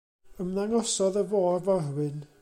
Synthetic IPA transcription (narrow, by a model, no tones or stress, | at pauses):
əmnaŋɔsɔðəvoːrvɔrwɪn